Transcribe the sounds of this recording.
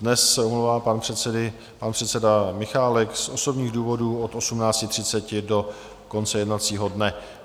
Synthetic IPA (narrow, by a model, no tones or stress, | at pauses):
dnɛsːɛumlowvaːpanpr̥ɛɛdɪ | panpr̥ɛt̪t͡sɛdamɪxaːlɛksʔo̞so̞bɲiːɣduːvo̞duːo̞t̪ʔo̞sumnaːt͡scɪt̪r̥ɪtt͡sɛcɪdo̞ | ko̞nt͡sɛjɛdnat͡siːɦo̞dnɛ